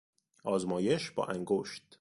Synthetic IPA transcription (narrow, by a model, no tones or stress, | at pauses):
ʔɒːzmɒːje̞ʃbɒ̰ːʔæŋɡoʃt̪̚